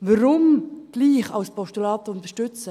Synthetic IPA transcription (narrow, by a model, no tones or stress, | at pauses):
ʋəɾʊmɡ̥liːχɑ̰lspɔʃtulɑːt̪əʊnt̪əʃtʏt͡sə